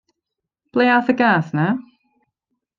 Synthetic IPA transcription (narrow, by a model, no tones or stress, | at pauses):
b̥leaʊθəɡasna